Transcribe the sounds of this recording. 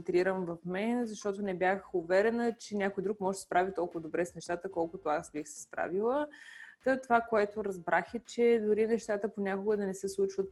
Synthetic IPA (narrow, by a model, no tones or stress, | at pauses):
t̪ɾiɾəmvɐfmɛnzɐʃt̪ɔt̪onɛbʲjaxʊvɛɾɛnət͡ʃɛnʲakojd̪ɾukmɔʒɛd̪spɾavit̪ɔlˠkʊvəd̪obɾɛsnɛʃt̪at̪əkɔlˠkʊt̪oasbixsɛ̥spɾa̰vilˠəət̪ovakoɛt̪oɾɐzbɾaxɛt͡ʃɛd̪ʊɾinɛʃt̪at̪əponʲakʊɡəd̪ɐnɛsɛslˠut͡ʃvət̪̚